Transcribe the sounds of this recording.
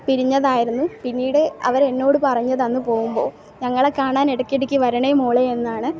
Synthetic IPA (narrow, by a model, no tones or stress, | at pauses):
piɾiɲːɐðaːjiɾunːupinːiːɽɨɐ̰ʋɐɾe̞nːo̞ːɽɨpɐrɐɲːɐðɐnːɨpo̞ːɣumbo̞ː | ɲɐŋːɐɭekaːɳaːneɽɐkːeɽikʲːɨʋɐɾɐɳemuːɭeenːaːɳɨ